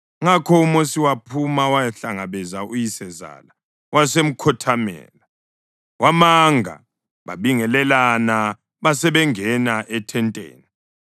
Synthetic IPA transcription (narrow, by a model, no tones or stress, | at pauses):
ŋakʰɔumosiwapʰumawajɬaŋaβɛzaujisɛza̰la | wasem̩kʰɔtʰamɛ̰ːla | wʔamaŋʱa̰ | βa̰βiŋɛlɛlana | βasɛβɛŋɛnaʔɛtʰɛntʼḛːni